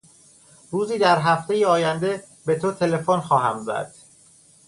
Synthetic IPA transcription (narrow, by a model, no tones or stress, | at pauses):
ruːziːd̪æɾɦæft̪e̞jeɒːjænd̪e̞ | be̞t̪ʰot̪ʰe̞le̞fonxɒːɦæ̰mzæ̰ɾd̪̥